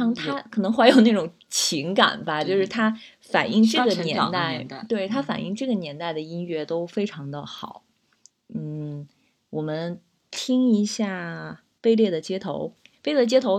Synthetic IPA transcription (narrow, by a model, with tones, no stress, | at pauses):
ɑ˧˥ŋt̪ʰa˥kʰɤ˨˩nɤ˧˥ŋxwɪjo˨˩ʊna˥˩ʈ͡ʂʊ˨˩ŋ | t͡ɕʰi˧˥ŋka̰˨˩nbɐ˦t͡ɕjo˥˧ʊʂɻ̩˥˩t̪ʰa˥ | fa̰˨˩ni˥˧ŋʈ͡ʂɤ˥˧˩ɡə˩njɛ˧˥n˥t̪a˥˩ɪɪt̪we˥˩ɪt̪ʰa˥fa̰˨˩ni˥˧ŋʈ͡ʂɤ˥˩ɡə˩njɛ˧˥nt̪a˥˩ɪd̪ə˩i˥nɥɛ˥t̪o˥ʊfe˥ɪʈ͡ʂʰɑ˧˥ŋd̪ə˧xɑ˨˩˦ʊ | n̩˥˩ | wɔ˨˩mə˦n | t̪ʰi˥ŋi˧˥ɕja˥˩ | pe˥˧ɪljɛ˥˩d̪ə˩t͡ɕjɛ˥t̪ʰo˧˥ʊpe˥ɪlə˥˩t͡ɕjɛ˥t̪ʰo˧˥ʊ